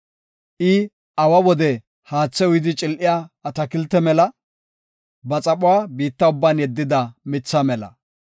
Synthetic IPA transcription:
ʔɪ | ɐwɐwɔd̪ɛ | haːt͡sːɛʊjɪd̪ɪt͡ʃʼɪlʔɪjaːɐt̪ɐkɪlt̪ːɛmɛlɐ | bɐt͡sʼɐpʼʊwaːbiːt̪ːɐʊbːaːnjɛd̪ːɪd̪ɐmɪt͡sːɐmɛlɐ̰

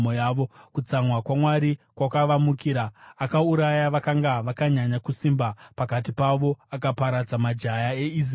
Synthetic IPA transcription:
mojaʋo̞kut͡samwakwamwaɾikwakaʋamukiɾaːkauɾajaʋakaŋɡaʋakaɲaɲakusimbapakat̬ipaʋo̞akapaɾad͡zamad͡ʒajaei

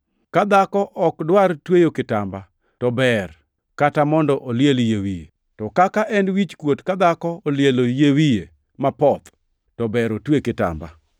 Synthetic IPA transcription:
kad̪akɔʔɔkdwartwejokɪtamba | tɔbɛr | katamɔndɔʔoljeljewijḛ | tɔkakaʔɛnwit͡ʃkwotkad̪akɔoljelojewije | mapɔt̪ | tɔbɛɾotwekɪta̰mba̰

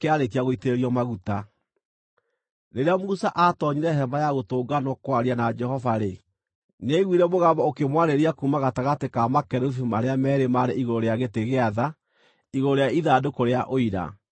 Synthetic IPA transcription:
keaɾekiaɣoiteɾeɾiɔmaɣuta | neɾeamusaʔatɔɲiɾɛhɛmajaɣotoːɡanɔkwaɾianad͡ʒɛhɔvaɾe | neɣwiːɾɛmoɣabaokemwaɾeɾiakumaɣataɣatekamakɛɾuθumaɾeamɛɾemaɾeʔiɣoɾoɾeaɣeteɣeaða | iɣooɾeaiðaːdokoɾeaʔoiɾa̰

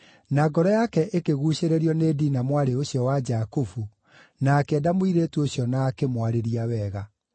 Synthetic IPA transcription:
naɡɔɾɔjakɛʔekeɣuːɕeɾeɾiɔneːdiːnamwaɾeoɕjɔwad͡ʒakofu | nakɛdamwiɾeːtuoɕjɔnaːkemwaɾeɾiawɛɣa

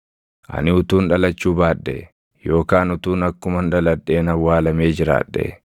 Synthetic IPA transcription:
ʔɐ̰nɪʊt̪uːnᶑɐlɐt͡ʃːuːbaːᶑːɛ̰ | jo̞ːkaːnʊt̪uːnɐkːʊmɐnᶑɐlɐᶑːe̞ːnɐwːaːlɐme̞ːd͡ʒɪɾa̰ːᶑːɛ̰

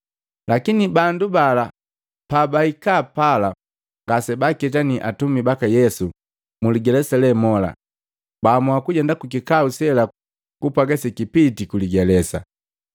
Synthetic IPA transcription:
lakinibandubala | pabaikapala | ŋɡasɛbakɛt̬aniʔatumibakajɛsu | muliɡɛlɛsalɛmɔla̰ | bamwakuɟɛndakukikausɛla | kupaɡasɛkipitikuliɡɛlɛsa̰

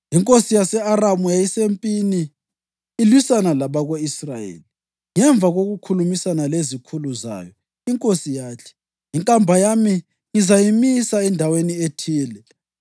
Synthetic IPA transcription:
iŋkʼosijasɛaramujajisempʼiniː | lwisanalaβaɣweisrajḛli | ŋɛɱvʱaɣoɣukʰulumisanalezikʰuluza̰ːjɔ | iŋkʼosijaːt͡ɬʰɛ̥ | iŋkʼambʱajami | ŋizajimisaɛndʱawenietʰiːlɛ

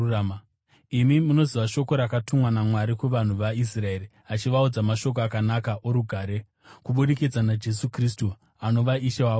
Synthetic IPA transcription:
m | imimuno̞ziʋaʃo̞ko̞ɾakatumwanamwaɾikuʋan̤uʋais̬rae̞ri | at͡ʃiʋaud͡zamaʃo̞k̬oakanakaʔoɾuɡʱaːɾe̞ | kuɓuɗekid͡zanad͡ʒe̞sukristu | ano̞ʋaʔiʃewaːo

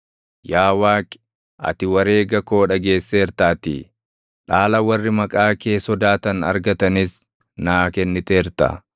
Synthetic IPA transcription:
jaːwaːkʼɪ̥ | ʔɐ̰t̪ɪwɐɾe̞ːɡɐko̞ːᶑɐɡe̞ːsːeːɾt̪aːt̪ḭ | ᶑaːlɐwɐrːɪmɐkʼaːkeːsɔd̪aːt̪ɐnɐ̰ɾɡɐt̪ɐnɪs | naːkɛnːɪt̪eːɾt̪ɐ̰

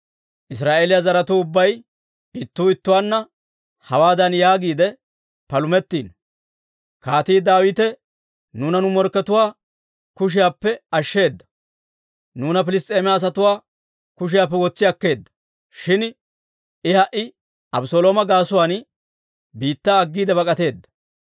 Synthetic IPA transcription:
ʔɪs̬ɾaːʔeːlɪjazɐɾɐt̪uːʊbːɐj | ɪt̪ːuːɪt̪ːʊwaːnːɐ | hɐwaːd̪ɐnjaːɡiːd̪ɛ | pɐlʊmɛt̪ːiːn | kaːt̪iːd̪aːwit̪ɛ | nuːnɐnʊmɔɾkːɛt̪ʊwaː | kʊʃ̬ɪjaːpːɛɐʃːe̞ːd̪ːɐ̥ | nuːnɐpɪlɪst̪ʼːe̞ːmɛaːs̬ɐt̪ʊwaː | kʊʃ̬ɪjaːpːɛwɔt͡sːɪjɐkːe̞ːd̪ːɐ̥ | ʃɪn | ɪhɐʔɪ | ɐbsoːloːmɐɡaːsʊwaːn | biːt̪ːaːɡːiːd̪ɛbɐkʼɐt̪e̞ːd̪ːɐ̥

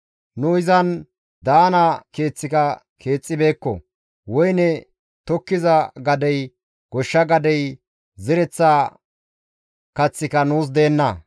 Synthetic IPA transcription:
nʊɪzɐn | d̪aːnɐke̞ːt͡sːɪkɐ | kʰe̞ːt͡sʼːɪbe̞ːkːɔ̰ | wɔjnɛ | t̪ɔkːɪzɐɡɐd̪ɛj | ɡ̥ɔʃːɐɡɐd̪ɛj | zɪɾɛt͡sːa | kɐt͡sːɪkɐnuːs̬d̪eːnːɐ

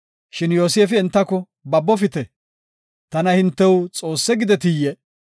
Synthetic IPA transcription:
ʃɪnjoːseːfɪɛnt̪ːɐkɔ | bɐbːɔfɪt̪ɛ | t̪ɐnɐhɪnt̪ːɛwt͡sʼo̞ːsːɛɡɪd̪ɛt̪ɪjɛ

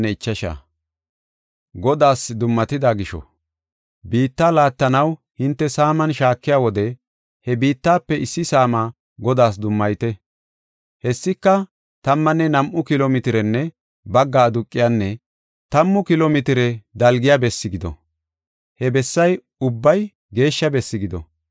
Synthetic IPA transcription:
ɛɪt͡ʃːɐʃa̰ː | ɡɔd̪aːsd̪ʊmːɐt̪ɪd̪aːɡɪʃɔ̰ | biːt̪ːaːlaːt̪ːɐnɐw | hɪnt̪ːɛsaːmɐnʃaːkːɪjaːwɔd̪ɛ | hɛbiːt̪ːaːpːɛɪsːɪsaːmaː | ɡɔd̪aːs̬d̪ʊmːɐjt̪ɛ | hɛsːɪkːɐ | t̪ɐmːɐnːɛnɐmʔʊkɪloːmɪt̪ɪɾɛnːɛ | bɐɡːaːd̪ʊkʼːɪjanːɛ | t̪ɐmːʊkɪloːmɪt̪ɪɾɛd̪ɐlɡɪjabɛsːɪɡɪd̪ɔ̰ | hɛbɛsːɐj | ʊbːɐj | ɡe̞ːʃːɐbɛsːɪɡɪd̪ɔ̰

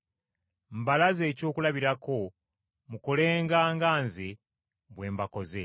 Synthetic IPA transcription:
m̩balaze̞ːco̞ːkulaβiɾako̞ | mukole̞ːŋɡaːŋɡaːnze | βwe̞ːmbako̞ze

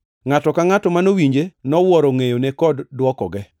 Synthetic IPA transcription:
ŋatɔkaŋatɔmanowiɲd͡ʒenɔwɔɾɔŋejonekɔddwɔkɔɡɛ

